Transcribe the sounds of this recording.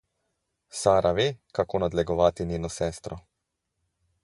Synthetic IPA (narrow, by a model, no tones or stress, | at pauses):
saːɾaʋeːkakoːnad̪lɛɡɔʋaːt̪iniːnɔsɛːst̪ɾɔ